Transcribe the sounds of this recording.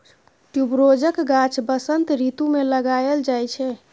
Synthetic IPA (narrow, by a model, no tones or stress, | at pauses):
ʈjubɾod͡ʒəkɡat͡ʃʰbəsənt̪ɾit̪umeləɡaeld͡ʒajt͡ʃʰɛ